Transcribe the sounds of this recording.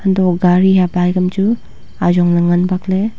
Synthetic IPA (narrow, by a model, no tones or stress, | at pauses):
hɐndɔk̚ɡaɾijabajɡɐmd͡ʒu | azɔŋnɐŋɐnbakle